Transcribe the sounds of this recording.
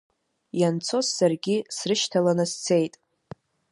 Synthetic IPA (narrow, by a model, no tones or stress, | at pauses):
jant͡sʰo̞sːarɡʲisrɨʃtʰalanɨst͡sʰe̞jtʼ